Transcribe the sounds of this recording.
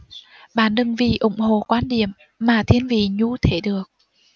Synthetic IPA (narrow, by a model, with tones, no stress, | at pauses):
ɓa̰ː˧˩nɗɨ˨˩ŋvḭ˧˩ʔʊ˧˦ŋ͡mho̰˧˨kwaː˧nɗḭ˧˩˨əmː | aː˨˩t̪ʰi˧ənvḭ˧˨ɲu˧t̪ʰe˧˩˦ɗɨ˨˩ək̚